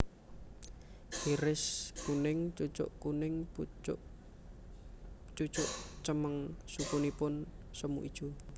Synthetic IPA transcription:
hiɾɪskunɪŋt͡ʃut͡ʃʊ̰ʔkunɪŋ | t͡ʃut͡ʃʊʔt͡ʃəməŋsupunipʊnsəmṵʔid̥ʒ̥u

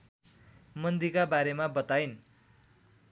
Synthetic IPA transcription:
mʌnd̪ikabaɾemabʌt̪ajn

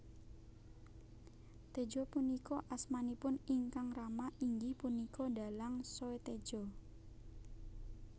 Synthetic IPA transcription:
t̪ed͡ʒɔpunikɔʔasmanipʊniŋkaŋramaʔiŋɡɪhpunikɔda̤laŋsoet̪e̥d͡ʒ̥ɔ

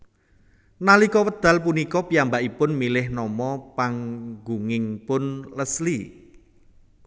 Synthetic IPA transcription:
nalikɔwəd̪̥a̤lp̬unikɔpijambaʔipʊnmilɪhnɔmɔpaŋɡuŋɪŋpʊnləsli

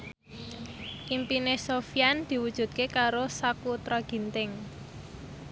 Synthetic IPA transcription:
ʔimpinesofjand̪̥i̤wud̥ʒ̥ṳt̪̚kekaɾosakut̪ɾaɡ̥i̤nt̪ɪŋ

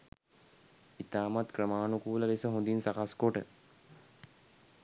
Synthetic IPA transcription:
it̪aːmat̪krəmaːnukuːləlisəɦũnd̪insakaskoʈə̰

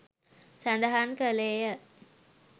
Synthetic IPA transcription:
sand̪aɦankəleːjə

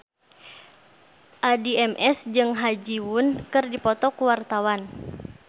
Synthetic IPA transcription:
ʔadiɛmʔɛsd͡ʒɨŋɦad͡ʒiwunkɨrdipɔt̪ɔkuwart̪awan

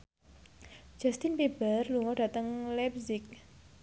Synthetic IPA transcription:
d͡ʒ̥ast̪ɪnpebərluŋɔɖ̥at̪əŋlɛpzɪk̚

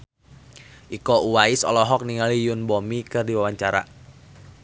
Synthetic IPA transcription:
ʔikɔʔuwaisɔ̰lɔɦɔk̚niŋalijʊnbɔmikɨrdiwawaɲt͡ʃaɾa̰

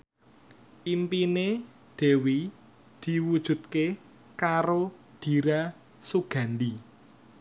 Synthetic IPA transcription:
ʔimpine | d̪̥e̤wi | d̪̥i̤wud̥ʒ̥ṳt̪̚ke | kaɾo | d̪̥i̤ɾa | suɡ̥a̤nd̪i

